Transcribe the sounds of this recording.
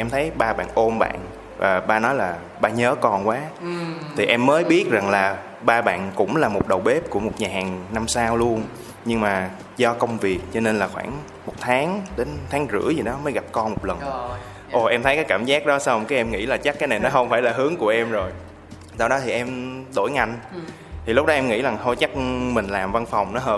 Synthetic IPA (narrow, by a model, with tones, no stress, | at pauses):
ʔɛ˧mt̪ʰə˨˦jɓaː˧ɓa̰ː˧˨nʔo˧mɓa̰ː˧˨n | vaː˨˩ɓaː˧nɔ˨˦jlaː˨˩ | ɓaː˧ɲəː˨˦kɔ˧nkwaː˨˦t̪ʰi˨˩ʔɛ˧mːəː˨˦jɓi˦˥ət̚za˨˩ŋlaː˨˩ | ɓaː˧ɓa̰ː˧˨nkʊ̰˧˥ŋ͡mlaː˨˩mo˨˩t̚ɗə˨˩wɓe˦˥p̚ku˧˩əmo˨˩t̚ɲaː˨˩haː˨˩ŋna˧msaː˧wlu˧ən | ɲɨ˧ŋmaː˨˩ | zɔ˧kə˧wŋ͡mvi˨˩ək̚t͡ɕɔ˧ne˧nlaː˨˩xwaː˧˩ŋ | mo˨˩t̚t̪ʰaː˨˦ŋɗe˨˦nt̪ʰaː˨˦ŋzɨ̰˧˥əzi˨˩ɗɔ˨˦məː˨˦jɣa˨˩p̚kɔ˧nmo˨˩t̚lə˨˩n | ʔo˨˩ʔɛ˧mt̪ʰə˨˦jkaː˨˦jkaː˧˩mzaː˦˥k̚ɗɔ˨˦sa˧wkaː˨˦jʔɛ˧mŋḭ˧˥laː˨˩t͡ɕa˦˥kaː˨˦na˨˩jnɔ˨˦xə˧wŋ͡mfaː˧˩jlaː˨˩ɦɨ˨˦əŋku˧˩əʔɛ˧mzo˨˩j | saː˧wɗɔ˨˦t̪ʰi˨˩ʔɛ˧mɗo̰˧˩jŋa˧jŋ | t̪i˨˩lʊ˦˥k͡p̚ɗɔ˨˦ʔɛ˧mŋḭ˧˥za˨˩ŋt̪ʰo˧jt͡ɕa˦˥k̚mï˨˩ŋ̟laː˨˩mva˧nfa˨˩wŋ͡mnɔ˨˦ɦəː˨˩